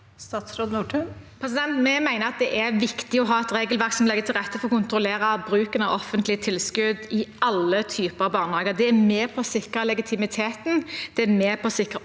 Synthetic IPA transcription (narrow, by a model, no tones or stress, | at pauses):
st̪ɑːt̪sɾoːd̪nuːʈʰʉpʰɾɛs̬ɪd̪ɛnt̪mɛmæɪnəɾɑt̪̚d̪ɛʔæɾʋɪkt̪ɪɔɦɑːɛt̪ɾeːɡəlʋæʁksɔmlɛɡːət̪ʰɪlʁɛt̪ːəfɔʁɔkʊnt̪ɾʊleːɾɑbɾʉːkənəɔʔɔfənt̪lɪət̪ʰɪlskʉd̪ɪʔɑlːət̪ʰyːpəɾɑʋbɑːʁnhɑːɡəʁd̪ɛæmeːpʰɔsɪkʁəlɛɡɪt̪ʰɪmɪt̪ʰeːt̪n̩d̪̥ɛæmeːpʰɔsɪkʁə